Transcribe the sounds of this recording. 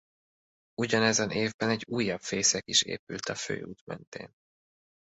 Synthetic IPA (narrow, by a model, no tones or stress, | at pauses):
uɟɒnɛzɛnʔeːvbɛnɛɟːuːjːɒbfeːsɛkiʃḛːpylt̪ɒfø̰ːṵːt̪mɛ̰nt̪ḛːn